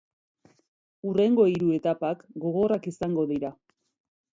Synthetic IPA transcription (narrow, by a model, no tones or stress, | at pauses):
ure̞ŋɡo̞iɾue̞t̪apakɡo̞ɣo̞rakisaŋɡo̞ðiɾa